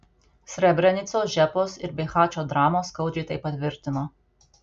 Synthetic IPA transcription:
sʲɾʲɛbʲɾʲɛnʲɪt̪soːsʒʲæpoːsɪɾbʲɛɪxɑːt͡ʃʲoːd̪ɾɑːmoːskɐʊd͡ʒʲɛɪt̪ɐɪpːɐt̪ʲʋʲɪɾʲt̪ʲɪnoː

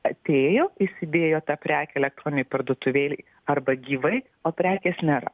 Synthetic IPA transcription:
ɐt̪ʲeːjoːɪsʲɪd̪ʲeːjoːt̪ɑpʲɾʲæːkʲɛɛlʲɛk̚t̪ɾoːnʲɪnʲɛɪpɐrd̪oːt̪ʊʋʲeːlʲɪɪ | ɐrbɐɡʲiːʋɐɪ | oːpʲɾʲæːkʲeːsnʲeːɾɐ̰

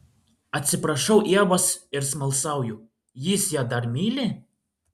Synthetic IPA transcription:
ɐt̪ʲsʲɪpɾɐʃɐʊʔiɛʋɔsɪɾsmɐlˠsɑˑʊju | jisjad̪ɐɾmʲiːlʲɪ

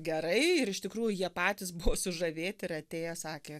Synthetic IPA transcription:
ɡʲɛɾɐɪɪɾɪʃt̪ʲɪkɾuːjʊjiɛpɑːt̪ʲɪsbʊʋoːsʊʒɐʋʲeːt̪ʲɪɾɐt̪ʲeːjɛsɑːkʲeː

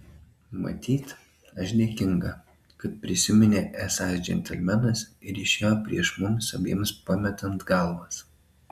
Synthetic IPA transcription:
mɐ̰t̪ʲiːt̪ | ɐʃd̪ʲɛɛkʲɪŋɡɐ | kɐt̪̚pʲɾʲɪsʲɪmʲɪnʲeʔæːsɑsd͡ʒʲɛ̰nʲt̪ʲɛlʲmʲɛnɐsɪɾʲiʃʲeːjoːpʲɾʲiɛʃmʊmsɐʋʲḭɛmʲspɑmʲɛt̪ɐnt̪ɡɐlˠʋɐs

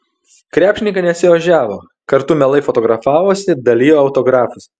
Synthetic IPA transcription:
kɾʲæːpʃʲɪnʲɪŋkɐnʲɛtsʲɪʋɐʒʲæːʋoː | kɐɾt̪umʲɛlˠɐɪfɔt̪ɔːɡɾɐfɑːʋoːsʲɪd̪ɐlʲiːjoːɐʊt̪oːɡɾɑːfʊs

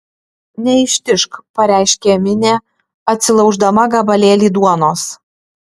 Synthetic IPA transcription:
nʲɛɪʃʲt̪ʲɪʃkpɐɾʲæˑɪʃʲkʲemʲɪnʲeː | ɐt̪ʲsʲɪlˠɒʊʒd̪ɐmɐɡɐbɐlʲeːlʲiːd̪uɔnoːs

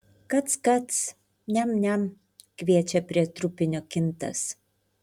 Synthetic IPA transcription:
kɐt̪skɐt̪s | nʲɛmnʲɛm | kʲʋʲiɛt͡ʃʲɛpʲɾʲiɛt̪ɾʊpʲɪnʲoːkʲɪnt̪ɐ̰s

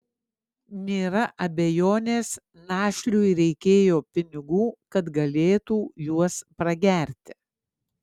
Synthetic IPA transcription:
nʲeːɾɐʔɐbʲɛjoːnʲeːs | nɑːʃʲlʲuːɾʲɛɪkʲeːjoːpʲɪnʲɪɡuːkɐt̪ɡɐlʲeːt̪uːjuɔspɾɐɡʲæːɾʲt̪ʲɪ

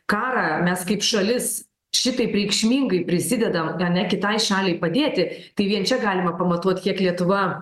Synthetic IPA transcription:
kɑːɾɑːmʲɛskɐɪpʃɐlʲɪs | ʃʲɪt̪ɐɪpɾʲɛɪkʃʲmʲiːŋɡɐɪpʲɾʲɪsʲɪd̪ʲɛd̪ɐmɐnʲɛkʲɪt̪ɐɪʃɑːlʲɛɪpɐd̪ʲeːt̪ʲɪt̪ɐɪʋʲiɛnt͡ʃʲɛɡɑːlʲɪmɐpɐmɐt̪uɔt̪ʲkʲiɛklʲiɛt̪ʊʋɐ

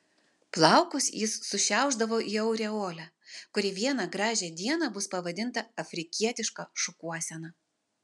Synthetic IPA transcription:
plˠɑˑʊkʊsjɪsːʊʃʲæˑʊʒd̪ɐʋoːʔiːɐʊɾʲɛoːlʲæ | kʊɾʲɪʋʲiɛnɑɡɾɑːʒʲɛːd̪ʲiɛnɑːbʊspɐʋɐd̪ʲɪnt̪ɐɐfʲɾʲɪkʲiɛt̪ʲɪʃkɑʃʊkuɔsʲɛnɑ

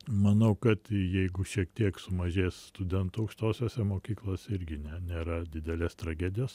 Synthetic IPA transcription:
mɐnɐʊkɐt̪jɛɪɡʊʃʲiɛkt̪ʲiɛksʊmɐʒʲeːsst̪ʊd̪ʲɛnt̪ʊɐʊkʃt̪oːsʲoːsʲɛmoːkʲiːklˠoːsʲɪɾʲɡʲɪnʲɛnʲeːɾɐd̪ʲɪd̪ʲɛlʲeːst̪ɾɐɡʲæːd̪ʲɪjoːs

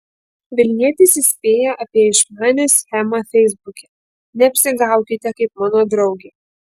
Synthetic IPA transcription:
ʋʲɪlʲnʲiɛt̪ʲɪsɪsʲpʲeːjɛʔɐpʲiɛɪʃmɑːnʲeːsʲxʲɛmɐfʲɛɪzbʊkʲɛ | nʲɛɐpʲsʲɪɡɑˑʊkʲɪt̪ʲɛkɐɪpmɑːnoːd̪ɾɒʊɡʲeː

